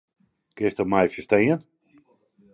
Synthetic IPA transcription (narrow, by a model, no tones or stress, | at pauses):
kɪstɔmajfjəstejən